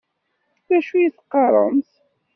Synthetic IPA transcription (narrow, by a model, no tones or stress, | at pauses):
ðæʃujiθqːɑɾˤəmθ